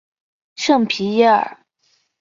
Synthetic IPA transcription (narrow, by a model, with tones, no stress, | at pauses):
ʂɤ˥˩ŋpʰi˧˥jɛ˧˥ə̰˨˩